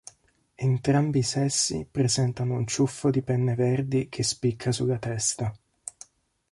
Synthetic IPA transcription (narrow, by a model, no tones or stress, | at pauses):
ent̪ɾambisɛsːḭpɾezɛnt̪anount͡ʃufːod̪ipɛnːeverd̪ikʰespikʰːasulːat̪ɛst̪a